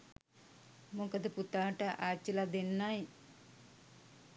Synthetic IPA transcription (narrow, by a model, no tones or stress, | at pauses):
mukəd̪əput̪aːʈəʔaːt͡ʃːilad̪enːaj